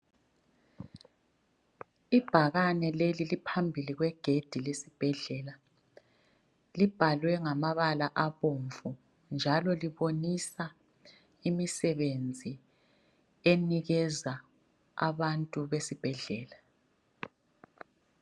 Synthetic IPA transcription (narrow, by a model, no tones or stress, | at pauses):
ib̥ʱaɣanɛlelilipʰambʱiliɣwɛɡ̥ʱed̥ʱilesib̥ʱɛɮɛla | lib̥ʱalwɛŋamaβalaʔaβoɱvu | nd͡ʒʱalɔliβonisa | imisɛβend͡zʱi | eniɣɛza | a̰βantʼuβesib̥ʱɛɮɛːla